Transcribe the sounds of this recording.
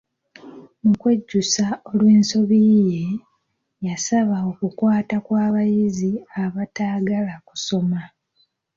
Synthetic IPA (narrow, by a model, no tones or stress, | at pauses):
mukwe̞ɟːusao̞lwe̞ːnso̞βije̞ | jasaβao̞kukwaːtakwaːβajiziaβataːɡalaku̥so̞ma